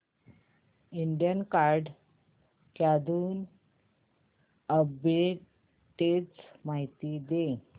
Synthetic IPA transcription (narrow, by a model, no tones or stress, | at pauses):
iɳɖijənkaɾɖ | kjad̪uːn | əbe | ʈet͡smaɦit̪id̪e